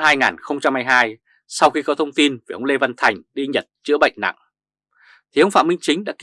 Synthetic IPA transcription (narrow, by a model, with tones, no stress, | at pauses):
haː˧jŋaː˨˩nxə˧wŋ͡mt͡ɕa˧mhaː˧jɦaː˧j | sa˧wxi˧kɔ˨˦t̪ʰə˧wŋ͡mt̪i˧nvʔə˧wŋ͡mle˧və˧nt̪ʰa˨˩jŋ̟ɗi˧ɲə˨˩t̚t͡ɕɨ̰˧˥əɓə̰˧˨jŋ̟na̰˧˨ŋ | t̪ʰi˨˩ʔə˧wŋ͡mfa̰ː˧˨mï˧ŋ̟t͡ɕï˨˦ŋ̟ɗa̰ː˧˥ki˧